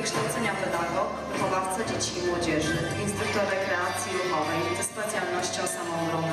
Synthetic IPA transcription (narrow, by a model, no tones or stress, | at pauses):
kʂt̪awt̪sɛɲapɛd̪aɡɔ | vuxɔvaft̪sad͡ʑet͡ɕimwɔd͡ʑɛʐɘinst̪ɾukt̪ɔɾɛkɾɛat̪sʲjiɾuxɔvɛjzɛspat̪sʲjalnɔɕt͡ɕɔ̃w̃samɔ̃ɡɔ